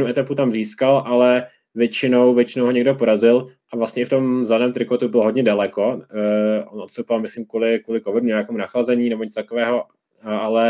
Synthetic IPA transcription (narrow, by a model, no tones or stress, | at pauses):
nuʔɛt̪aput̪amziːskalʔalɛ | vjɛt͡ʃɪno̞wvjɛt͡ʃɪnowɦoɲɛɡdopoɾazɪlʔavlast̪ɲɛɪft̪o̞mzlanɛːmt̪ɾɪkot̪ubɪloɦodɲɛdalɛko | ʔonʔot̪sopvalmɪsliːmkuːlɪkvuːlɪkovɪdmɲɲakɛːmunaxlazɛɲiːnɛboɲɪt͡st̪akovɛːɦo | alɛ